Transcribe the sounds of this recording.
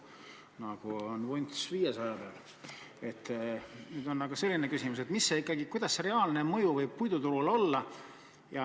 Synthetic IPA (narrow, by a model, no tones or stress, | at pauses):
nɑɡ̥uonvujnt̪sviːje̞sɑjɑbeɑl | e̞t̪ːnyːd̪̥o̞nːɑɡ̥ɑse̞lʲːinekysimus̬e̞t̪misːeikːˑɑɡikujd̪̥ɑsre̞ɑːlne̞mɤ̞juvɤjpujd̪ut̪uɾulo̞lːɑ | jɑ